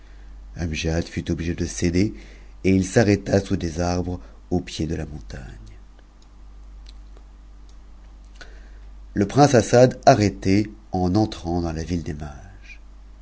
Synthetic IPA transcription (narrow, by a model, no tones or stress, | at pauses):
amʒad̪fyt̪ɔbliʒed̪əsed̪e | eilsaʁɛt̪asud̪ezaʁbʁ | opjed̪əlamɔ̃t̪aɲ | ləpχɛ̃sasad̪aʁet̪eɑ̃nɑ̃t̪χɑ̃d̪ɑ̃lavild̪ema | ʒ